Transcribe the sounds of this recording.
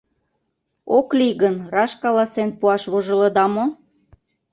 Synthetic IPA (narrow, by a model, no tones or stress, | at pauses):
okliɣənrɑʃkɑlɑsenpuɑʃβoʒɤ̆lɤ̆d̪ɑmo